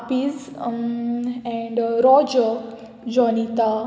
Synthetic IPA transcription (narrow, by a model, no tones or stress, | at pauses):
piz | ɛ̃ɳɖɾɔd͡ʒə | d͡ʒɔnit̪a